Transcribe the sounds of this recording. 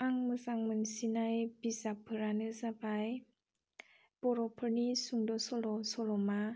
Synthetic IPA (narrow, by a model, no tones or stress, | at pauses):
aŋmɯzaŋmɯnsinajbizapʰɯɾanɯzabaj | b̥ɔɾɔpʰɯɾnisuŋdɔsɔlɔsɔlɔma